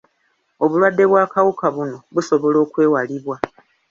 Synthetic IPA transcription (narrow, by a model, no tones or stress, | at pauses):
o̞βulwadːe̞βwaːkawukaβuno̞βuso̞βo̞lo̞ːkwe̞ːwaliβwa